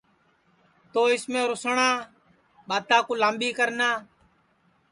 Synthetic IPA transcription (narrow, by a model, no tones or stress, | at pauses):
t̪oːɪsmẽːɾʊsɳãː | ɓaːt̪aːkuːlaːmɓiːkəɾnaː